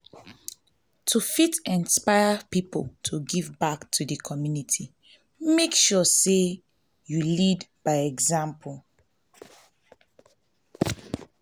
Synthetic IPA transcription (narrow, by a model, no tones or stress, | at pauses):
tʰufitɛ̃nspaɪəpipltʰuɡivbaktʰudəkʰɔmjunitʰi | mekʃɔse | julidb̥aɪɛɡzãmpʰɔl